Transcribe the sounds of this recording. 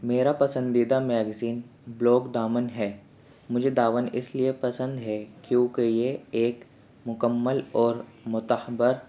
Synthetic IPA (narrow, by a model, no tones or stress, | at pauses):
meːɾapɐsə̃nd̪id̪amɛːɡziːnblɔːkd̪aːmənɦɛː | mʊd͡ʒʱed̪aːʋənɪ̰sliepɐsə̃nd̪ɦɛkjõːkejeeːk | mʊkəmːəlɔːɾ | mʊt̪əhbəɾ